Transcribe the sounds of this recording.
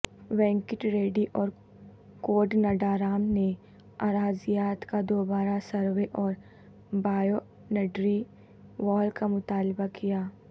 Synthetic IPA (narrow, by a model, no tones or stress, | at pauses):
ʋɛ̃ːŋkɪʈɾeːɖiʔɔːɾ | koːɾɖnɐɖaːɾaːmne | aːɾaːzijaːt̪kad̪oːbaːɾasɐɾʋeʔɔːɾ | baːjo | nɐɖɾi | ʋɔːlkamʊt̪aːlbakijaː